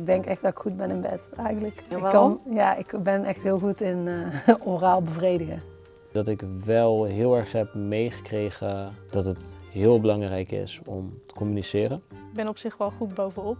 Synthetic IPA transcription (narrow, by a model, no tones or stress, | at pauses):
ɡ̚dɛŋkɛxdɑtɪ̥kxud̚bɛnɪnbɛ̰tɛjxəntləkɪkɑnjaːʔɪkbɛnʔɛxtɦɪːlˠɣutɪnoraːlˠbəvrejdəɣə | dɑtɪkʋɛlˠɦɪːlˠɛɹχɦɛpmejχə̥krejχəd̥ɑtɦətɦɪːəlˠbəlɑŋrɛjkɪ̰sɔ̰mtə̥kɔmynisɪːrənɡ̚bɛnɔpsɪχʋɛlˠχutbowvənɔp̚